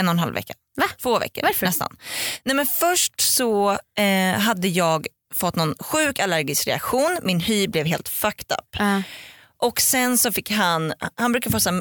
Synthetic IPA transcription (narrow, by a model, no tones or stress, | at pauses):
ɛnɔnɦa̰lvɛ̰kːa | at̪ʰvoːvɛ̰kːə̰ɾafɛst̪a̰nnɛmɛnfœʂʈsɔ | ɦad̪ːəjɑːɡ | fɔt̪ːnɔnɧʉ̟ːkalæɾɡɪskɾɛ̰a̰kɧuːnmɪnhyːblɛvɦeːlt̪fakt̪a̰pː | ʔɔksɛnsɔfɪkːɦanhanbɾʉ̟kad̪əfoːs